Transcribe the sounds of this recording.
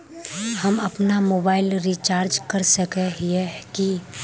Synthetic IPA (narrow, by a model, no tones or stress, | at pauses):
hɐmɐpnamoːbaːɪlɾit͡ʃaːɾd͡ʒkɐɾsɐkeɦiɛki